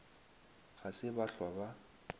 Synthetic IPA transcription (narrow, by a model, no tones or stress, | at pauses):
ɣasɪbaɬwaba